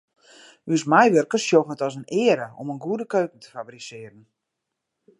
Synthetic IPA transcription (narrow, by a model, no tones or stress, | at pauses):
ysmɛjʋørkəsjofətɔsənɪːəɾəo̰mənɡuədəkøɥkən̩tʰə̥fabrisɪəɾən